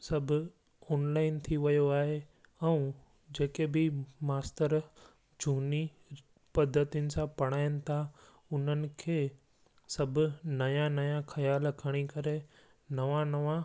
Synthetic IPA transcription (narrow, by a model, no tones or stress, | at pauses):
sɐbʱʊ | ɔːnlaːɪnt̪ʰiʋɐjoaːɦe | ɛ̃ | d͡ʑeːkebɪmaːst̪əɾ | d͡ʑʱuːni | pɐd̪ʱːət̪ijʊnɪ̆sãpɐɽ̃aːɪnɪ̆t̪ʰa | ʊn̤ənɪ̆kʰeː | sɐbʱʊ̆nɐjãnɐjãxʰɐjaːlkʰɐɽ̃ikɐɾe | nɐʋãnɐʋã